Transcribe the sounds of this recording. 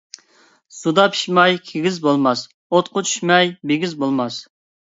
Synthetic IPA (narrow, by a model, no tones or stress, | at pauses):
sud̪ɑpʰi̥ʃmɑjkʲʰeɡʲizbolˠmɑs | ot̪qʰʊt͡ʃ̪ʰy̥ʃmɛjbeɡʲizbolˠmɑs